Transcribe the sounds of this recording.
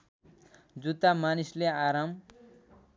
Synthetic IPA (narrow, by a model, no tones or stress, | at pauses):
d͡zut̪amanisleaɾam